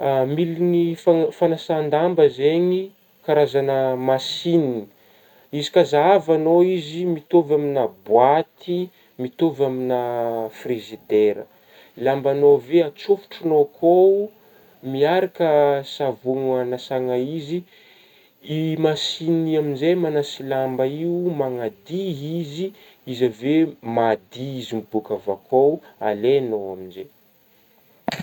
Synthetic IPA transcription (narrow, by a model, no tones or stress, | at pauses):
amilinifafanasand̪ambəzeɲi | kaɾazanəmasinini̥ | izikazaavanoizimit̪ovaminabwat̪i | mit̪ovaminafrizid̪eɾə̰ | lambanoveat͡sofu̥ʈ͡ʂunokʰou | miaɾakəsavuŋanasaŋaizi | imasiniaminzejmanasilambaimaŋad̪iizi | izavemad̪iizimibukavakʰoalenowaminze